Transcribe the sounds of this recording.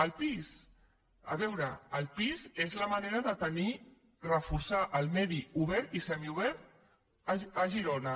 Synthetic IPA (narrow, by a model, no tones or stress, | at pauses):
əlˠpis | əβɛwɾəːlˠpizezləmaneɾəðət̪əni | rəfusaʔəlˠmɛðiuβ̞ɛɾt̪isɛmiuβ̞ɛɾt̪ | əəʒiɾonə